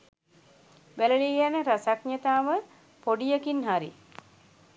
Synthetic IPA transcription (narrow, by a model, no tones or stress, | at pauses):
ʋæləliɡænəɾasakɲet̪aːʋə | poɖijəkinɦaɾḭ